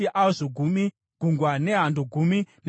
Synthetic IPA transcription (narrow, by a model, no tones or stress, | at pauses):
iʔaozoɡʱumi | ɡ̥ʱuŋɡwaneɦandʱuɡʱumin